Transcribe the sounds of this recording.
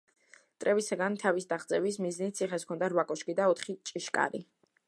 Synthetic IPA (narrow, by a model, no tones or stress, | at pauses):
t̪ʼɾʔɛvisaɡant̪ʰavisd̪aχd̪sʼɛvis̬miznit̪̚sʰiχɛskʰɔnd̪aɾvakʼɔʃkʼid̪aɔt̪ʰχit͡ʃʼiʃkʼa̰ɾḭ